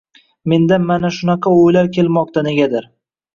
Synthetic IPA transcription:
me̞nd̪amanaʃʊnɑqʰɑojlaɾkʲʰe̞lˠmɒqt̪ʰane̞ɡʲad̪ɪɾ

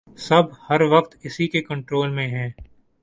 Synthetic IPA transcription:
sɐbʱhɐɾʋɐqt̪ɪsikekɐ̃ɳʈɾoːlmẽɦɛ̃ː

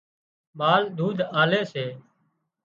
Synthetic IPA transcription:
maːld̪ʱuːd̪ʱaːleːseː

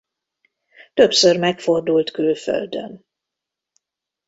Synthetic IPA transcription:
t̪ø̞psørmɛkfo̞rd̪ult̪kylfø̰ld̪ø̰n

